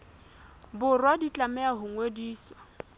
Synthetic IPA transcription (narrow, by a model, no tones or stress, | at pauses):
bʊrwadit͡ɬʼamɛaɦʊŋwediːswa